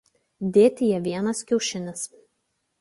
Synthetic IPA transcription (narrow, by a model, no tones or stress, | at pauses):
d̪ʲeːt̪ʲɪjɛʋʲiɛnɐskʲɛʊʃʲɪnʲɪs